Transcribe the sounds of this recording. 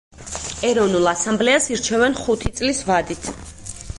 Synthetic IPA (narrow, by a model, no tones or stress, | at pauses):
ɛɾɔvnulˠasãmblɛasiɾt͡ʃʰɛvɛnχut̪ʰit̪sʼlisvad̪it̪ʰ